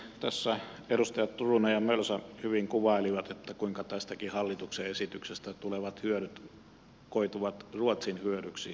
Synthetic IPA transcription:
t̪æsːæ | erust̪ɑjɑt̪t̪urunɑjɑmølsɑhyʋiŋkuʋɑˑeliʋɑt̪et̪ːækuiŋkɑt̪æst̪ækihɑlːit̪ukseesit̪yksest̪æt̪uleʋɑt̪hyøɾyt̪ | koit̪uʋɑt̪ruot̪sinhyøɾyksi

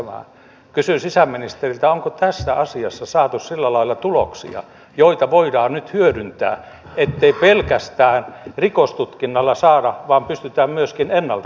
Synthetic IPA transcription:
æmæ̰ | kysysisæminist̪erilt̪æoŋkot̪æsːæɑsiɑsːɑsɑːt̪ussilːælɑilɑt̪ulo̰ksḭɑ̰ | joit̪ɑʋoidɑːnnyt̪hyødynt̪æ̰ː | et̪ːeipelkæst̪æːnrikost̪ut̪kinːɑlːɑsɑːdɑʋɑːmpyst̪yt̪æːmmyøskinenːɑlt̪ɑ

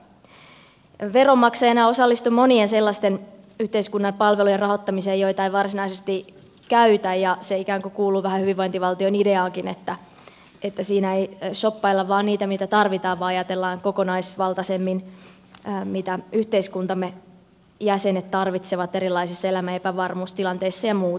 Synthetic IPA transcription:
ʋeromːɑksɑjɑnɑosɑlːist̪umonienselːɑst̪en | yht̪eiskunːɑpɑlʋelujerɑɦo̞t̪ːɑmiseːjoijt̪ɑiʋɑrsinɑisest̪i | kæyt̪æjjɑseikæːŋkokuːluːʋæhæhyʋiʋoint̪iʋɑlt̪ionideɑːŋkinḛt̪ːæ | et̪ːæsiːnæeisopːɑilːɑʋʋɑːnniːt̪æmit̪æt̪ɑrʋit̪ɑːʋʋɑːɑjɑt̪elːɑːŋkokonɑisʋɑlt̪ɑsemːinː | mit̪æyht̪eiskunt̪ɑmːe | jæsenet̪t̪ɑrʋit̪seʋɑt̪eɾilːˑɑisisːɑelæmæepæʋɑrmuːst̪ilɑnt̪eisːɑjɑmuː

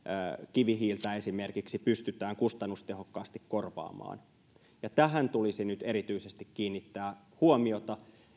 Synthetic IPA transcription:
kiʋiɦiːlt̪æesimerkiksipyst̪yt̪æːŋkust̪ɑnːust̪eɦokːɑːst̪ikkorʋɑ̰ːmɑ̰ːn | jɑt̪æɦænt̪ulisinyt̪eɾit̪yisest̪ikkiːnːit̪ːæː | huomiot̪ɑ

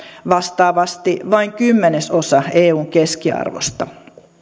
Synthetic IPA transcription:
ʋɑst̪ɑːʋɑst̪iʋɑiŋkymːeneso̞sɑeːuːŋke̞skiɑ̰rʋo̰st̪ɑ

